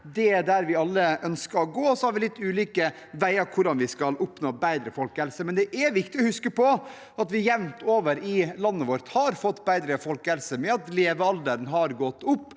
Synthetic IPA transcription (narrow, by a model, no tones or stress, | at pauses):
d̪ɛɖ̪æɾʋɪɑlːəʔœnskəɾɔɡoːɔsɔhɑɾʋɪlɪt̪ːʉːliːkə | ʋæɪəɾkʰʊɖɑnʋɪskɑlʊpnoːbæɪd̪ɾəfɔlkəhɛlsəmɛnd̪ɛʔæɾʋɪkt̪ɪɔhʉskəpɔ | ɑt̪ʋɪjɛʋnt̪oːʋəɾɪlɑnːəʋoːɾt̪hɑɾfɔt̪ːbæɪd̪ɾəfɔlkəhɛlsəmɛɑt̪leːʋəɑld̪əɾənɦɑɾɡɔt̪ːʊpː